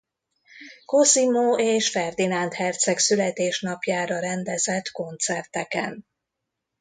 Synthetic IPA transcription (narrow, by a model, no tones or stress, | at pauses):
ko̞simoːeːʃfɛrd̪inant̪hɛrt̪sɛksylɛt̪eːʃnɒpjaːɾɒɾɛnd̪ɛzɛt̪ko̞nt̪sɛrt̪ɛkɛ̰n